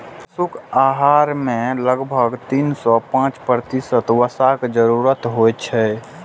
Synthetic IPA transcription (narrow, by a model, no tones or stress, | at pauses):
sʊkʰaɦaɾmẽləɡbʱəɡt̪insɔpãːt͡ʃpɾət̪isət̪wəsakd͡ʒəɾuɾət̪ɦojt͡ʃʰɛ